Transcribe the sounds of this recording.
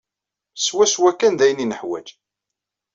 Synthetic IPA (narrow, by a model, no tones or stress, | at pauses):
swæswækːænðæjninəħwæ̰d͡ʒ